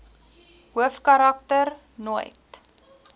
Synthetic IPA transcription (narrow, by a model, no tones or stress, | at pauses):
ɦuəfkɐɾɐk̚tər | nujt